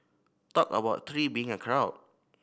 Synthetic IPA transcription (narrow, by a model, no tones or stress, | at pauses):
tɔkə̰baʊt̚t̪ʰɹiːbiɪ̃ŋəkʰɹaʊd̚